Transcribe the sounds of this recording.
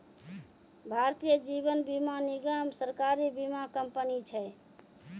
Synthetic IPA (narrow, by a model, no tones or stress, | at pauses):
bʱaɾt̪ijəd͡ʒibənbimaniɡəmsəɾkaɾibimakəmpənit͡ʃʰəj